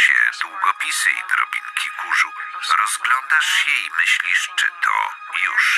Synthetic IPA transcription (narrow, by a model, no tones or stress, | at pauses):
ɕɛd̪wuɡɔpʲisɘḭd̪ɾɔbʲiŋkʲʰikuʐuɾɔzɡlɔnd̪aʂɕɛimɘɕlʲiʂt͡ʂɘt̪ʰɔ | juʂ